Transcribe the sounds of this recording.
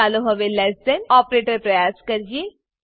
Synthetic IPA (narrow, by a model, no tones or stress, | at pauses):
aːloɦɐʋelɛsənɔːpɾeːʈəɾpɾɐjaːskɐɾd͡ʒie